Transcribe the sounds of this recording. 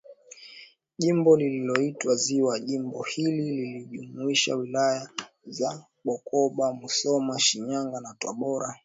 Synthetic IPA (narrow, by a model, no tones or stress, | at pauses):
ʄimbɔlililɔitwaziwaʄimbɔhilililiʄumuiʃa̰wilaja | za | ɓɔkʰɔɓamusɔmaʃiɲaŋɡanataɓɔɾa